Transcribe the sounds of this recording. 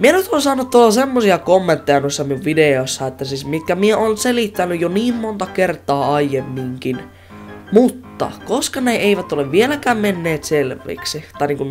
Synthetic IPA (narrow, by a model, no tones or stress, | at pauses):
mienyt̪oːnsɑːnut̪tuolːɑsemːosiɑkomːent̪ːejɑnosːɑmiuʋʋideosːɑet̪ːæsiːsmit̪kæmieoːnselit̪ːænyjjoniːmmont̪ɑkert̪ˑɑːɑijemːiŋkin | mut̪ːɑ̰koskɑneeiʋæt̪oleʋʋielækæːmmenːeːt̪selʋˑḭːksit̪ɑˑiniːŋku